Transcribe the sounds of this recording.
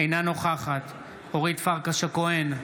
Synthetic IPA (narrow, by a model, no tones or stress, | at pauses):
ejnano̞χaχat̪ | oʁit̪faʁkaʃakoen